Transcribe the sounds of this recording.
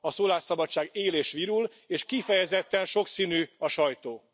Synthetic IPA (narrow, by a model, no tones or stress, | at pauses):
ɒsoːlaːʃsɒbɒt͡ʃːaːɡeːleːʃʋiɾul | eːʃkifɛjɛzɛt̪ːɛnʃo̞ksinyːɒʃɒjt̪oː